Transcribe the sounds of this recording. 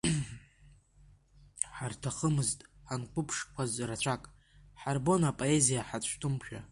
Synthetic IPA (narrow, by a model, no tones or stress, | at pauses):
ħartʰaχəmɨztʼħankʷʰʊpʰʂkʷʰazrat͡ɕʷʰakʼ | ħarbo̞napʼo̞ezijaħat͡ɕʷʰʼtʰʊmpʃᶣa̰